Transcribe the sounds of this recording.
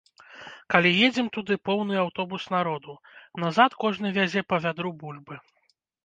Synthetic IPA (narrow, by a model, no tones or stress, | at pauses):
kalʲijed͡zʲɛmt̪ud̪ɨpɔwnɨawt̪ɔbusnaɾɔd̪u | nazat̪kɔʐnɨvʲazʲɛpɐvʲad̪ɾubulʲbɨ